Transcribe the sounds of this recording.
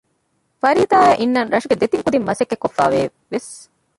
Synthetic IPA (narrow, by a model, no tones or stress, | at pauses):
fɐɾiːt̪aːæʔinːɐnɾɐʂuɡed̪et̪iŋkud̪imːɐsekːekːofːa̰ːʋe | ʋes